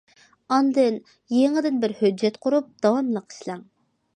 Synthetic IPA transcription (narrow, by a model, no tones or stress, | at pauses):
ɑnd̪ɨn | jeŋɪd̪ɪnbɪɾhød͡ʒːɛt̪qʰʊɾup̚d̪̥ɑwɑmlˠəqʰə̥ʃlˠɛŋ